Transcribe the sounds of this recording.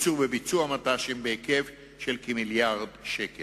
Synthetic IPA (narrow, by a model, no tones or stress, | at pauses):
t͡suʁbebit͡suamat̪aʃembeekev | ʃelkemiljaʁdʃekel